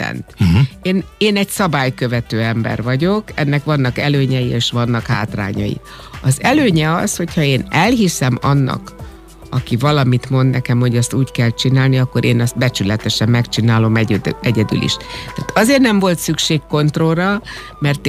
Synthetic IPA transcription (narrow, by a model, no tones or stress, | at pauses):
ɛ̰nt̪eːneːnɛɟsɒbaːjkø̞vɛt̪øːɛmbɛ̰rvɒɟo̞kɛnːɛkʋɒnːɒkɛløːɲɛjieːʃʋɒnːɒkha̰ːt̪ra̰ːɲɒ̰jḭ | ɒzɛløːɲɛɒsho̞chɒeːnɛlɦisɛmɒnːɒ̰k | ɒkivɒlɒmit̪mo̞nd̪nɛkɛmho̞ɟɒst̪uːckɛlt͡ʃinaːlniɒkːo̞ɾʔeːnɛst̪̚bɛt͡ʃylɛt̪ɛʃɛmːɛkt͡ʃinaːlo̞mɛɛɟɛd̪y̰lḭʃtt̪ːa̰ːt̪ɒzeːrnɛɱvo̞lt̪sykʃeːkko̞nt̪ro̞lːɒ | mɛrt̪